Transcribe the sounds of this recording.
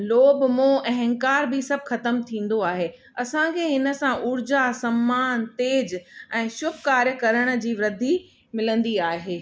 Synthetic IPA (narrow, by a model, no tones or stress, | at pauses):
loːbmõɛ̃ɦɐ̃ŋkaːɾbisɐbʱxɐt̪əmt̪ʰĩːn̆d̪oaːɦeː | ɐsãkʰeːɦɪnə̆sãʔʊɾd͡ʑasɐmːaːnt̪eːd͡ʑɛ̃ːʃʊbkaːɾjəkɐɾəɽ̃ə̆d͡ʑiːʋɾɪd̪ʱi | mɪlə̃nd̪iaːɦeː